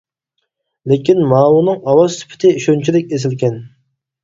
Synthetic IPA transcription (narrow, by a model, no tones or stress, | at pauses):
lekʲinmɑːwunɨŋɑwɑz̥sy̥pʰɪ̥t̪ʰɪiʃont͡ʃʰilɪkʲes̬ɪlkʲɛn